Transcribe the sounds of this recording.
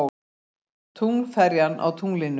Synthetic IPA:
t̪ʰuŋlfɛɾjanʔa̰wt̪ʰuŋlɪn

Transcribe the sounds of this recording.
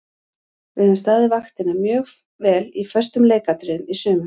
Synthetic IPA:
vɪʏmst̪aːðɪvaxt̪ɪnamjœːɣ | vɛːlifœr̥st̪ʏmleːjkat̪ɾɪðʏnisʏːmʏm

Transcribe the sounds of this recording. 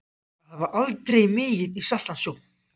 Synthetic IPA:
aðhavaɾʔalt̪ɾejmɪːjɪðisat̪ːansjowkn

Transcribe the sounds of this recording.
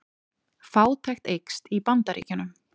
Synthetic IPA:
faːwt̪ʰajxt̪ejkst̪ipant̪aɾḭːcɪnʏm

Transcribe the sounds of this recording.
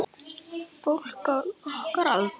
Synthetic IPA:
fol̥kaɔhkaɾaðt̪

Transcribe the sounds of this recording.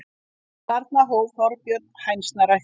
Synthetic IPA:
t̪aɾt̪naɦoːwvθɔɾpjœɾt̪̚nhajnsnaɾa

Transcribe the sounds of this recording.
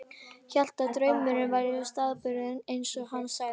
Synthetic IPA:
çɛl̥t̪at̪ɾœːɥmʏɾɪnvajɾɪʏst̪aːðpʏɾɪðɪnejnsɔɣhansa

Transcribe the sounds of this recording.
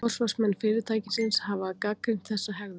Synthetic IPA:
ɔr̥svasmɛnːfɪːɾɪɾt̪ʰaːjcɪsɪnshavakaːkɾɪm̥t̪θɛsːaɦɛɣðʏ

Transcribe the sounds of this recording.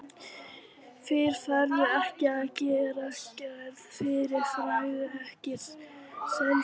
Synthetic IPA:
fɪɾ̥faɾðʏɛhcɪacɪɾɛhcðfɪɾɪɾ̥fɾajðʏɛhcɪɾ̥sɛm

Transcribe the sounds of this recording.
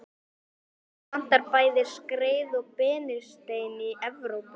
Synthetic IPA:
an̥t̪aɾpaːjðɪ̥skɾeːjðɔɣpɛːnɪst̪eːjniʔɛvɾowp

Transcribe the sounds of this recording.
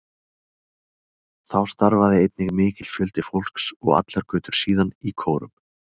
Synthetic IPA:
θawst̪aɾvaðɪejt̪nɪɣmɪːcɪt̪fjʏlt̪ɪfowl̥ksɔ̰ɣa̰t̪laɾkʏːt̪ʏɾ̥siːðanikʰoːwɾʏ̰m

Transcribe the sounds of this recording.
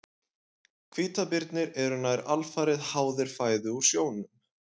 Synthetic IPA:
kʰv̥iːt̪apɪɾt̪nɪɾɛɾʏnajɾalfaːɾɪðhaːwðɪɾ̥faːjðʏuɾ̥sjoːwnʏm

